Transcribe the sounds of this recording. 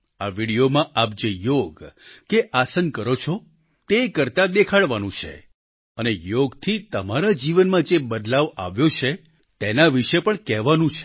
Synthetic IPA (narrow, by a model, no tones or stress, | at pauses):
aʋiɽijomãʔap̚d͡ʒejoɡkeʔasənkəɾot͡ʃʰo | t̪ekəɾt̪ad̪ekʰaɽʋanũt͡ʃʰḛ | ənejoɡt̪ʰit̪əmaɾad͡ʒiʋənmãd͡ʒebəd̪laʋa̰ʋjot͡ʃʰe | t̪enaʋiʃepəɳkɛɦʋanũt͡ʃʰe̥